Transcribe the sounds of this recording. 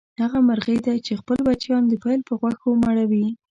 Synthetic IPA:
haɣamaɾɣəjd̪at͡ʃexpəlbat͡ʃjɑnd̪əpajlpəɣwaxomaɽawi

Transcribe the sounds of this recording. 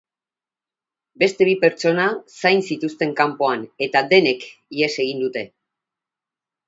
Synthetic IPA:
be̞st̪e̞β̞ipe̞ɾt͡ʃo̞nasajnsit̪ust̪e̞ŋkampo̞ane̞t̪ad̪e̞ne̞kie̞se̞ɣ̞ind̪ut̪e̞

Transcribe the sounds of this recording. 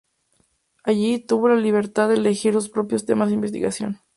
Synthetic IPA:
aʝit̪uβo̞laliβ̞e̞ɾt̪aðeːle̞xiɾlospɾo̞pjost̪e̞mazðeimbe̞s̬t̪ḭɣasjo̞̰n

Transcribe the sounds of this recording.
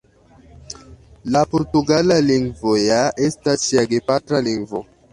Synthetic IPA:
lapoɾt̪uɡalaliŋvojaʔestasiaɡepat̪ɾaliŋvo

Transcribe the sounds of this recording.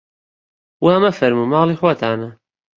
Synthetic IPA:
wamɐfɐɾmumaːliːxwɐt̪ʰaːnɐ

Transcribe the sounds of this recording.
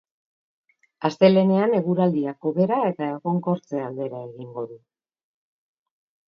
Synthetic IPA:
ast̪e̞le̞ne̞ane̞ɣuɾald̪iako̞βe̞ɾae̞t̪aeɣo̞ŋko̞ɾt͡se̞ald̪e̞ɾae̞ɣiŋɡo̞ðu

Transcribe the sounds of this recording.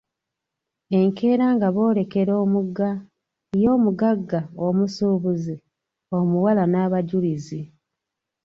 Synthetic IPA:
e̞ŋke̞ːɾaːŋɡaβo̞ːle̞ke̞ɾo̞ːmuɡa | jo̞ːmuɡaɡːaomusuβuzi | o̞muwalanaβaɟulizi

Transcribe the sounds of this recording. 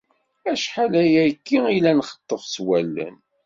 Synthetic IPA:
æʃħalæjækːiilænχə̥t̪ˤːəfswælːæ̰n

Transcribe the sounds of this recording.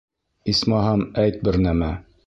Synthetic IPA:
ismɑɦɑmæjt̪̚bɘɾnæmæ

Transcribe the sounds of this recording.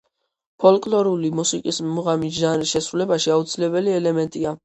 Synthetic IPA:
pʰɔlkʼlɔɾulimusikʼismuʁamid̪aɾisʃɛsɾulɛbaʃiaut̪sʰilɛbɛliɛlɛmɛnt̪ʼia

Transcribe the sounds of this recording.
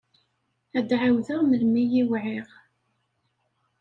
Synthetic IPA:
æd̪ʕawðəʁməlmijiwʕiʁ

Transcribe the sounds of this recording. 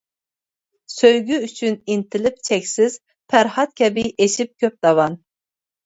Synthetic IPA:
søjɡʲyyt͡ʃʰynint̪ʰɪlɪp̚t͡ʃʰɛkʲsɪz̥ | pʰæɾhɑt̪̚kʲɛbiʔeʃip̚kʲʰøp̚d̪̥ɑvɑn

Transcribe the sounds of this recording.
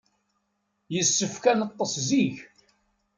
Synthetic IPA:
jəsːəfkænət̪ˤːəsˤziç

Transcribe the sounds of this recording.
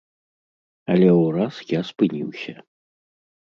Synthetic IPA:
ɐlʲɛwurasjaspɨnʲiwsʲɐ

